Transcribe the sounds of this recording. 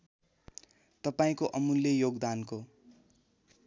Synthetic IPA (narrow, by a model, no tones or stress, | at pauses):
t̪ʌpaĩkoʔʌmuljʌjoɡd̪anko